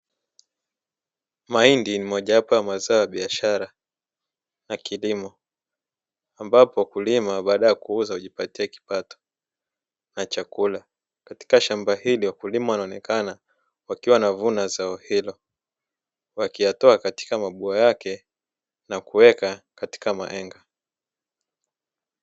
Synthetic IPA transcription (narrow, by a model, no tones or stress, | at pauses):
maindinimɔʄahapɔjamazaɔjaɓiaʃaɾa | nakilimɔ | ambapɔwakulimaɓaːɗajakuuzahuʄipatiaki̥patɔ̥ | nat͡ʃakula | kati̥kaʃambahiliwakulimawanaɔnɛkana | wakiwanavunazaɔhilɔ | wakijatɔakati̥kamaɓuajakɛ | nakuwɛkakati̥kama̰ʔɛŋɡa